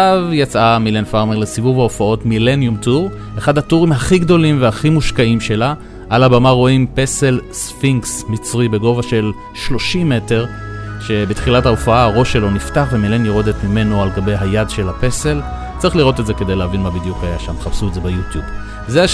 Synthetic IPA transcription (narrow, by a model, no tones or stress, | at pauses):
avjat͡sʔamilenfaʁmeʁlesivuvhaofao̞tmile̞njumtuʁ | eχadhatuʁimɦaχiɡdo̞limvehaχimuʃkaimʃe̞la | ʔalabamaʁo̞impe̞se̞lsfiŋksmit͡sʁibe̞ɡo̞vaʃe̞l | ʃlo̞ʃime̞te̞ʁ | ʃe̞betχilathaofaaʁo̞ʃelo̞niftaχvemilenjoʁedetmime̞noalɡabe̞jɦajadʃe̞lape̞se̞l | t͡saʁiχliʁo̞tetze̞ke̞de̞jleavinmabid̪jukajaʃameχapsuetze̞bejut̪jub | zea